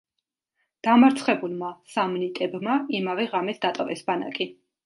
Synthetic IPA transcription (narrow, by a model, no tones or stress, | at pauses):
d̪̥amaɾt̪sʰχɛbulˠmasamnit̪ʼɛbmaimavɛʁamɛsʰd̪at̪ʼɔvɛsbana̰kʼi